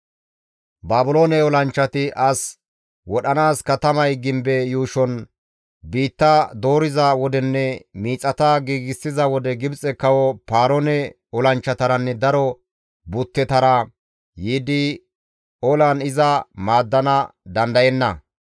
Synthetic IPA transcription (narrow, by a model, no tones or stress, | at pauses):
baːbʊloːnɛɔlɐnt͡ʃːɐt̪ɪʔɐs | wɔɗɐnaːskɐt̪ɐmɐjɡɪmbɛjuːʃɔn | biːt̪ːɐd̪o̞ːɾɪzɐwɔd̪ɛnːɛmiːt͡sʼːɐt̪ɐɡiːɡɪsːɪzɐwɔd̪ɛɡɪbt͡sʼɛkːɐwɔpaːɾɔnɛ | ɔlɐnt͡ʃːɐt̪ɐɾɐnːɛd̪ɐɾɔ | bʊt̪ːɛt̪ɐɾɐ | jiːd̪ɪ | ɔlɐnɪzɐmaːd̪ːɐnɐd̪ɐnd̪ɐjɛnːɐ